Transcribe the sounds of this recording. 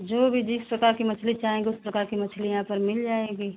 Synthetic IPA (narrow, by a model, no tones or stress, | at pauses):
d͡ʒoːbʱid͡ʒɪspɾɐkaːɾkimɐt͡ʃʰlit͡ʃaːɦẽːŋɡiʊspɾɐkaːɾkimɐt͡ʃʰlijɐɦãpɐɾmɪld͡ʒaːeːɡiː